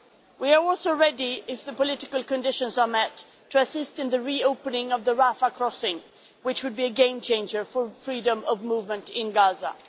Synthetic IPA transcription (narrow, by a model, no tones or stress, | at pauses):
wiə˞ɔlˠsoʊɹɛdiɪfðɨpəlɪɾɨkəlˠkɨ̃ndɪʃɨ̃nzə˞mɛtʰː | ɨɨsɪstɨ̃nðɨɹioʊpənɪ̃ŋʌvðəɹafəkʰɹ̥ɔsɪ̃ŋ | wɨt͡ʃwɨd̚biɨɡẽɪ̃mt͡ʃʰẽɪ̃nd͡ʒə˞fə˞fɹiɾə̃mʌvmuvmɨ̃ntɪ̃nɡazə̰